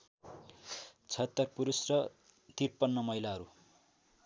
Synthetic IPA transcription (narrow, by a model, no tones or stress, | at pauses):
t͡sʰʌʌt̪ːʌrpuɾusrʌ | t̪irpʌnːʌmʌjlaɦʌɾu